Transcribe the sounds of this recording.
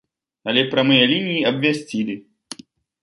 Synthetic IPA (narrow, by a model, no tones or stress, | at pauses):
ɐlʲɛpɾʲɐmɨjɐlʲinʲijːɐbvʲɛsʲtʲilʲɪ